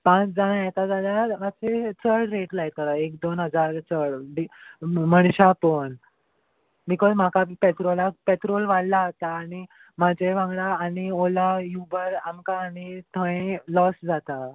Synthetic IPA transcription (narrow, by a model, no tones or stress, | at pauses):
pãt͡sd͡zaɽ̃ãjɛt̪ad͡zaljaaset͡sʰəɽɾeʈlajt̪əɾaekd̪onɦəd͡zaɾt͡səɽbiməɳɕapəɳ | bikɔzm̤akapeʈ̪ɾolakpeʈ̪ɾolʋaɽlaət̪aːɽ̃i | mad͡ʑeʋãŋɡɽaːɽ̃iolajubəɾamkaːñit̪ʰə̃ẽlɔsd͡zat̪a